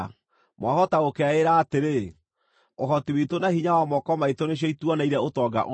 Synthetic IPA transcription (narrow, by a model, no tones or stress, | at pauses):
mwahɔtaokɛaeɾaːteɾe | oɦɔtiwitonahiɲawamɔkɔmaitoneɕ̬ɔituɔnaiɾɛotɔɡa̰ʔo